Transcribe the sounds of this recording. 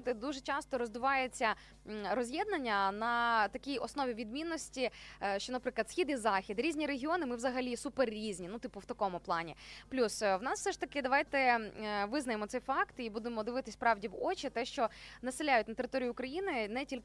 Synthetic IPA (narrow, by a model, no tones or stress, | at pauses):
t̪ɪd̪uʒet͡ʃɑst̪ɔɾɔzd̪ɪʋɑjet͡sʲːɐ | ɾɔzʲjɛd̪̚nɐnʲːɐnɐt̪ɐkʲijɔsnɔʋʲiʋʲid̪mʲinːɔsʲtʲiʃt͡ʃɔnɐpɾɪklˠɐd̪sʲxʲid̪izɑxʲid̪ɾʲizʲnʲiɾeɦʲiɔnɪmɪʋzɐɦɐlʲisuperːʲizʲnʲinut̪ɪpʊwt̪ɐkɔmʊplˠɑnʲḭplʲusʋnɑsfsɛʃt̪ɐkɪd̪ɐʋɑjt̪ɛʋɪznɐjemɔt̪sɛjfɑkt̪ibud̪emɔd̪ɪʋɪt̪ɪsʲpɾɑʋdʲiʋɔt͡ʃit̪ɛʃt͡ʃɔnɐsɪlʲːajʊt̚ʲnɐt̪eɾɪt̪ɔɾʲijʊːkɾɐjinɪnɛtʲilʲ